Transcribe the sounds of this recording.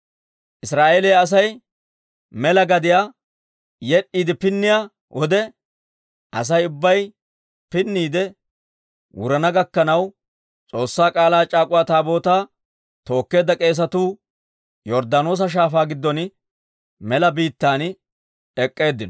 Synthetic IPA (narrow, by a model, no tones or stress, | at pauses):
ʔɪsɾaːʔeːlejɐs̬ɐj | mɛlɐɡɐd̪ɪjaː | jɛɗːiːd̪ɛpɪnːɪja | wʔɔd̪ɛ | ʔɐs̬ɐjʊbːɐj | pɪnːiːd̪ɛ | wʊ̰ɾɐnɐɡɐkːɐnɐw | t͡sʼo̞ːsːaːkʼaːlaːt͡ʃʼaːkʼʊwaːt̪aːbo̞ːt̪aː | t̪o̞ːkːe̞ːd̪ːɐkʼe̞ːs̬ɐt̪uː | jɔɾd̪ano̞ːs̬ɐʃ̬aːfaːɡɪd̪ːɔn | mɛlɐbiːt̪ːaːn | ɛkʼːe̞ːd̪ːɪnɔ